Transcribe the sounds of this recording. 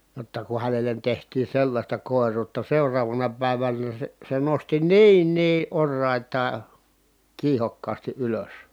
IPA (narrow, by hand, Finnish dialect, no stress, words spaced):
jotːɑ ku hænelen tehtiː selːɑsʲtɑ koˑerˑuːtːɑ seurɑːʋɑnɑ pæˑiʋænæ se se nosti niːn niː ʔorːɑˑi̯tɑː kiːhokːɑːsti ʔyløs